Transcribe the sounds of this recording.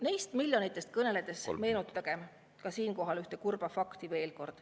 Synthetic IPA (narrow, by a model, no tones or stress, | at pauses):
nejst̪milʲjo̞nit̪ˑːest̪̚kɤne̞led̪̥e̞sme̞ːnut̪ːˑɑɡ̥e̞m | kɑsiːnko̞ɦɑlyht̪e̞kurb̥ɑfɑkt̪ive̞ːlko̞rd̪̥